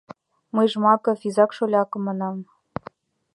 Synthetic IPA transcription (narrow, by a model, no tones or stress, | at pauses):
mɤjʒmɑkɤ̆fizɑkʃolʲɑkɤ̆mɑnɑm